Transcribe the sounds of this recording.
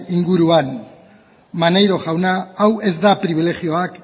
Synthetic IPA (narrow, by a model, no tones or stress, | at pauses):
iŋɡuɾuan | manejɾo̞ʝawnaawe̞zd̪apɾiβ̞ile̞ɣio̞ak